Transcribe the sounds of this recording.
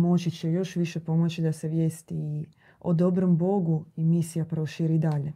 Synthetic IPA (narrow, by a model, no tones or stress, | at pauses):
mo̞t͡ʃit͡ɕejo̞ʃʋiʃe̞po̞mo̞t͡ɕid̪aseʋje̞ːst̪i | od̪obɾombo̞ɡuimisijapɾo̞ʃiɾid̪aʎe̞